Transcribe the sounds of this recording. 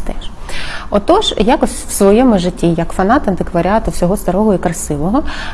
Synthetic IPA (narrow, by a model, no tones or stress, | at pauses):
t̪ɛʃɔt̪ɔʒjakɔsʲwsʋɔjɛmʊʒɪtʲːijɐkfɐnɑt̪ɐnt̪ɪkʋɐɾʲɪɑt̪ʊwsʲɔɦɔst̪ɐɾɔɦɔikɾɐsɪʋɔɦɔ